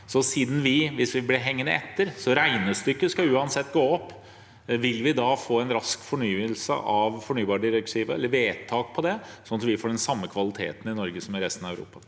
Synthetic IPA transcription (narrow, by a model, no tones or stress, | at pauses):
sɔsiːd̪n̩ʋɪʋɪsʋɪblɛɦɛŋːənəɛt̪ːəɾsɔɾæɪnəst̪ʏkːəskɑʉːɑnsɛt̪ːɡoːɔpː | ʋɪlːʋɪd̪ɑːfoːɛnɾɑskfɔɳyːəlsə̰ʔɑʋfɔɳyːbɑːɾɖɪɾɛkt̪ʰiːʋəɛlːəɾʋeːt̪ʰɑːk̚pʰɔd̪ɛsɔnɑt̪ʋɪfoːɖɛnsɑmːəkʰʋɑlɪt̪ʰḛːt̪n̩ɪnɔɾɡəsɔmæɾɛst̪nɑæʉɾṵːpɑ